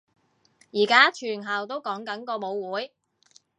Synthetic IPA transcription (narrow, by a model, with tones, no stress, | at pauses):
jiː˨˩kaː˥t͡ʃʰyː˨˩nɦɐ˨˩wt̪o˥wkɔː˨˥ŋkɐ˨˥nkɔː˧mo˨˧wwuː˨˥j